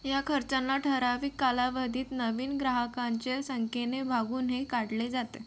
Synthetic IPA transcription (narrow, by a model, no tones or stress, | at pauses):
jakʰəɾt͡ɕãnlaʈʰəɾaʋiːkːalaʋəd̪ʱiːt̪nəʋiːnɡɾaɦəkaɲt͡ɕesəŋkenebʱaɡuːnɦekaɽled͡zat̪e